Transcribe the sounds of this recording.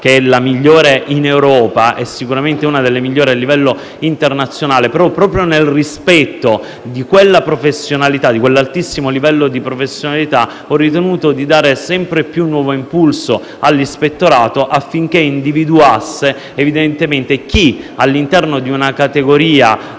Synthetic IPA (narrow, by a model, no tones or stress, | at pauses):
k̟eɛlamiʎːoːɾeʔinewɾɔːpaʔɛsːikuɾament̪euːnad̪elːemiʎːoːɾialːivɛlːo | int̪ernat̪sːjonaːlepeɾɔpɾɔːpɾjonelrispɛt̪ːo | d̪ikwelːapɾofesːjonalit̪ad̪ikwelːalt̪isːimolivɛlːod̪ipɾofesːjonalit̪a | ɔrːit̪enuːt̪od̪id̪aːɾesɛmpɾepjunːwɔːvoimpulso | alːispet̪ːoɾaːt̪oʔafːiŋk̟eind̪ivid̪uasːeː | vid̪ent̪ement̪ek̟ialːint̪ɛrnod̪iunakat̪eɡoɾiːa